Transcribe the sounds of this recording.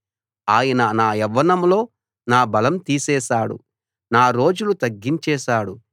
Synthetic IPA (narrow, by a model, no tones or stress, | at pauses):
aːjɐnɐnaːɛʋːɐnɐmlo̞ː | naːbɐlɐmt̪iːsɛːʃaːɽṵ | naːɾo̞ːd͡ʒulut̪ɐɡːiɲt͡ʃɛːʃaːɽu